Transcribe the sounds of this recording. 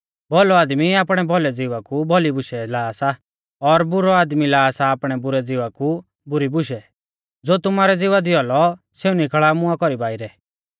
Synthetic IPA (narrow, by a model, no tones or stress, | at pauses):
bʱɔlɔaːd̪miaːpɽ̃ɛbʱɔlɛd͡zɪʋakubʱɔlibʊʃɛlaːsa | ɔɾbʊɾɔaːd̪milaːsaːpɽ̃ɛbʊɾɛd͡zɪʋaku | bʊɾibʊʃɛ | d͡zoːt̪ʊmaːɾɛd͡zɪʋad̪ɪɔlɔ | seːũnikʰəɭaːmʊ̃akɔɾibaːɪɾɛ